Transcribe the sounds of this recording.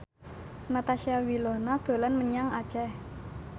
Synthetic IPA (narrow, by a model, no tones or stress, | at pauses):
mat̪aʃiawilɔnad̪̥o̤lanməɲaŋad̥t͡ʃɛh